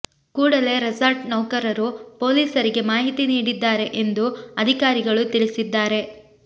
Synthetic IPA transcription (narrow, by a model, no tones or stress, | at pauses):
kuːɽɐle̞ɾɐsaɾʈnɐwkɐɾɐɾupo̞ːliːsɐɾiɡe̞maːɦit̪iniːɽid̪ːaːɾe̞ʔend̪uɐd̪ʱikaːɾiɡɐɭut̪iɭisid̪ːaːɾe̞